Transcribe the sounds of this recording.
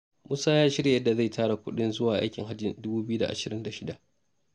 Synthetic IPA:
mʊ˦saː˦jaː˦ʃɪ˦ɽja˨jɐ˦dːa˨za˦˨jtʰaː˦ɽa˨kʷʊ˦ɗɪ˦nzʊ˦waː˨ʔa̰˦jkʲɪ˨ŋɦa˦d͡ʒɪ˨ndʊ˦buː˦bɪ˦ju˦da̰˨ʔa̰˨ʃɪ˨ɾɪ˦nda˨ʃɪ˦da˨ʔ

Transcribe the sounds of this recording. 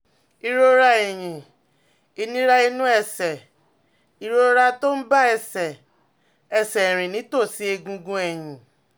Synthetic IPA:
i˧ɾo˦ɾa˧e˨j̃ĩ˨ | i˧nĩ˦ɾa˦i˧nũ˦ɛ˦˨sɛ˨ | i˧ɾo˦ɾa˧to˦n̩˦ba˦ɛ˧˨sɛ˨ | ɛ˨sɛ˨ɾ̃ĩ˨nĩ˨˦to˦˨si˨˦e˧ɡũ˧ɡũ˧˦ɛ˨j̃ĩ˨

